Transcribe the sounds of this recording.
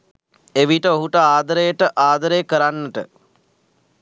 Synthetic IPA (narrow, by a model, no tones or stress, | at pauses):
eʋiʈəoɦuʈəaːd̪əɾəjəʈəʔaːd̪əɾejəkəɾanːəʈə